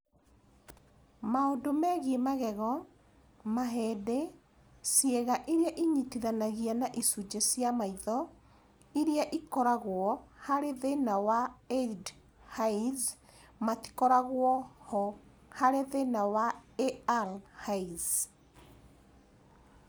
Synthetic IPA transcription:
maondomɛɣiemaɣɛɣɔ | maɦɛdɛ | sjeɣaʔiɾiaʔiɲitiðanaɣianaʔisud͡ʒesjamaiðɔ | iɾjaʔikɔɾaɣwɔhaɾeðenawaed | haiz | mati̥kɔɾaɣwɔhɔ | haɾeðenawaealhaiz

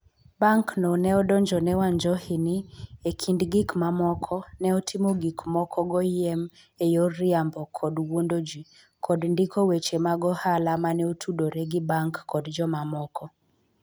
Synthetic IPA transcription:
baŋknɔnɛɔdɔɲd͡ʒɔnɛwaɲd͡ʒɔhiniekʰindɡikmamɔkʰɔnɛɔtʰimoɡikmɔkʰɔɡɔjɪɛm | ejɔɾɪambɔkʰɔdwondod͡ʒi | kʰɔdndikowet͡ʃemaɡɔhalamanɛotʰudoɾɛɡibaŋkːɔdd͡ʒɔmamɔkʰɔ

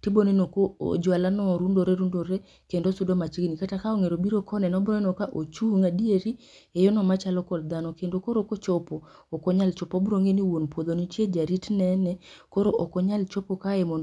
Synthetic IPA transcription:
tibonenokoo̰d͡ʒwalanɔɾundoɾeɾundoɾɛ | kendosudomat͡ʃikinikatakaoŋeɾobiɾokʰɔnɛnɔbɾɔɛnɔkaʔot͡ʃuŋadieɾi | ejonɔmat͡ʃalɔkɔld̪anɔkendokoɾokot͡ʃɔpoː | koɲalt͡ʃɔpɔbɾoŋeniwonpwod̪onit͡ʃjed͡ʒaɾitnɛnɛkoɾoʔokɔɲalt͡ʃɔpokaɛmɔnd

